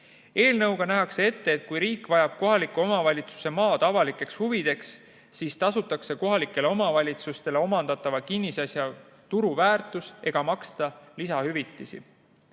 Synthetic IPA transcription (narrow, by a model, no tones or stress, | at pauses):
e̞ːlnɤwɡ̥ɑnæɦɑkse̞e̞t̪ːe̞ːt̪̚ˑkujɾiːkːvɑjɑb̥̚ko̞ɦɑlikːˑuo̞mɑvɑlʲit̪su̥se̞mɑːt̪ɑvɑlikːˑe̞kshuvid̪̥e̞ksː | iːst̪ɑsut̪ːˑɑkse̞ko̞ɦɑlikːˑe̞le̞o̞mɑvɑlʲit̪sust̪e̞le̞o̞mɑnd̪̥ɑt̪ːˑɑvɑkinːisɑsjɑ | t̪uɾuvæːrt̪ːˑuse̞ɡ̥ɑmɑkst̪ɑlisɑhyvit̪ˑːisḭ